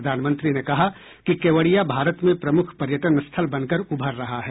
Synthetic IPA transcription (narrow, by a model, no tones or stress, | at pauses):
d̪ʱaːnmə̃nt̪ɾinekɐɦa | kikeːʋəɽijabʱaːɾət̪mẽpɾɐmʊkʰpɐɾjəʈənst̪ʰəlbɐnkəɾʊbʱəɾːɐɦaɦɛː